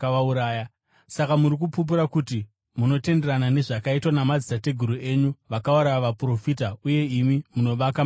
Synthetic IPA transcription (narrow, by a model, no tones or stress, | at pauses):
auɾaːja | sakamuɾik̬upup̬uɾakuti | muno̞te̞nde̞ɾanane̞ʐakaitwanamad͡zisate̞ɡʱuɾuʔe̞ːɲuʋakawuɾajaʋapro̞fiːtauje̞imimuno̞ʋaka